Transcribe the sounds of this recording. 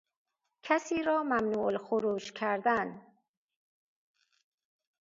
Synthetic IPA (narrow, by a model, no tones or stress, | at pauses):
kʰæsiːɾɒːmæmnuːlxoɾuːʃkʰæɾd̪æn